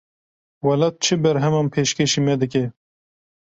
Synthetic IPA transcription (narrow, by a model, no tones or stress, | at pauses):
wɑlɑt̪̚t͡ʃʰɨbɛɾɦɛmɑːnpʰeːʃkeʃiːmɛd̪ɨk̬e